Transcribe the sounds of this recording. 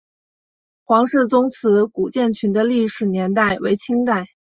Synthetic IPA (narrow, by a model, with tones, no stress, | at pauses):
xwɑ˧˥ŋʂɤ˥˩t͡sʊ˥ŋt͡sʰɹ̩˧˥ku˨˩t͡ɕjɛ˥˩nt͡ɕʰy˧˥nd̪ə˧li˥˩ʂɻ̩˨˩njɛ˧˥nt̪a˥˩ɪwe˧˥ɪt͡ɕʰi˥ŋt̪a˥˩ɪ